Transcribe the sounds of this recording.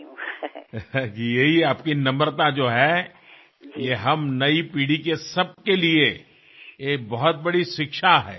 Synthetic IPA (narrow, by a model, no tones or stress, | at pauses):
kijɐɦiaːpkinɐ̃məɾt̪ad͡ʒoːɦɛ | jeɦɐmnɐipiːɽikesɐb̚kelie | eːk̚bɐɦɔt̪̚bɐɽiʃɪkʃaɦɛ̰ː